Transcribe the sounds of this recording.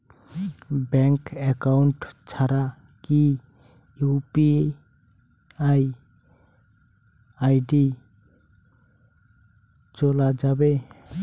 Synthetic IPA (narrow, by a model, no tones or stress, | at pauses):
bɛŋkɛkawɳʈt͡ʃʰaɾa | ki | jupi | aj | ajɖi | t͡ʃɔlad͡ʒabe